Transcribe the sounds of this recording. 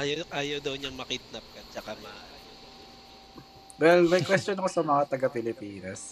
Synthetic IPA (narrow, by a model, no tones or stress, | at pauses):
ajʔaːjɐwd̪ɐwɲɐŋmɐkit̪̚nɐp̚kɐt͡ʃɐkamɐ | wɛlmɛkwɛstt͡ʃonɐkosɐmɐŋat̪ɐɡɐpɪlɪpiːnɐs